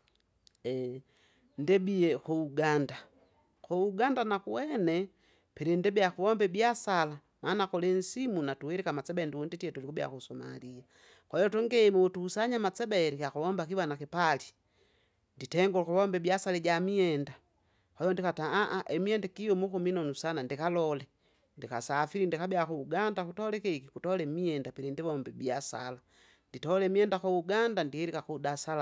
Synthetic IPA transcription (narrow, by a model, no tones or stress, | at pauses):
ɛ | ndɛbiɛkouɡanda | kouɡandanakuwɛnɛ | pɛɾɛndɛbiakuwɔmbɛbiasala | manakɔlɛnsimunatuwɛɾikamat͡sɛbɛndiunditiɛtulikubja̰kusɔma̰lia | kɔjɔtɔŋɡɛmuutuːsaɲamat͡sɛbɛɾikaxuwɔmbakiwanakipali | nditɛŋɡɔlkuβɔmbɛbjasalɛɟamiɛnda | kɔjɔndikataaʔaʔɛmiɛndɛkijɔmukuminɔnusanandikalɔlɛ | ndika̰safiɾindikabiakuuɡandakutɔlɛkɛkikutɔlɛmiɛndapiɾindiβɔmbɛbiasa̰la | nditɔlɛmiɛndakuuɡandandiiɾikakudasala